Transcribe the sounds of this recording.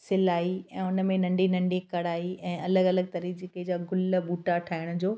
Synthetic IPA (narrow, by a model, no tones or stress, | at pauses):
sɪlaːiɛ̃ːʊnə̆mẽnɐ̃ɳɖinɐ̃ɳɖikɐɽaːiʔɛ̃ːɐləɡɐləɡ̚t̪ɐɾid͡ʑekəd͡ʑaɡʱʊlbuːʈaʈʰaːɪɽ̃ʊd͡ʑoː